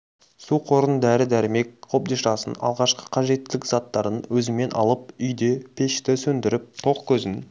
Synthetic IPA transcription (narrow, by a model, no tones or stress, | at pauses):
suqʰo̞ɾənd̪æɾɪd̪æɾɪme̞k̚ʲqʰo̞p̚d̪iʃɑsənɑ̰lˠʁɑʃqə̥qʰɑʒe̞t̪ːɪlɪkzɑt̪ːɑɾənwɵzɪme̞nʔɑ̰lˠəp̚ʏjd̪e̞pʰe̞ʃt̪ɪsɵnd̪ɪɾɪp̚t̪ʰo̞qkʲʰɵzɪn